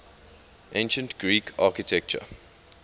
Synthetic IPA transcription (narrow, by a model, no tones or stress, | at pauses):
ʔẽnʃə̃ntɡ̥ɹiːkʰakitʰɛk̚t͡ʃə̰